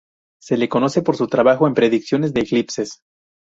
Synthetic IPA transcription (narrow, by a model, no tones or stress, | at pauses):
se̞le̞ko̞no̞se̞po̞ɾsut̪ɾaβaxo̞empɾe̞ðiksjo̞ne̞zðe̞ːklipse̞s